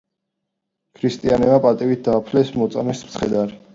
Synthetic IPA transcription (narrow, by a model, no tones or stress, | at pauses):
kʰɾist̪ʼianɛmapʼat̪ʼiwit̪̚d̪aːpʰlɛsmɔt̪sʼamɛsmt̪sʰχɛd̪aɾi